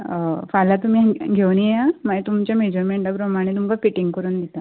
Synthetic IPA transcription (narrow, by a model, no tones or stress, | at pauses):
falat̪um̤iaɡʱewnieamaet̪umt͡ɕjamed͡ʑɔɾmeɳʈapɾəmaɽ̃et̪umkafiʈiŋɡkəɾuːnd̪it̪a